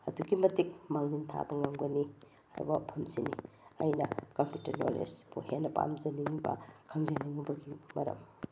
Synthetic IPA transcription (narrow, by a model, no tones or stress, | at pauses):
ɐduɡimɐtik̚maŋzintʰa̰bɐŋawɡɐni | a̰jbɐpʰɐmsinḭ | ɐjnɐkɐmputɐɾno̰lḛspʰuhenːɐpa̰md͡ʒɐniŋibɐ̰kʰɐŋzeniŋubɐɡimɐɾɐ̰m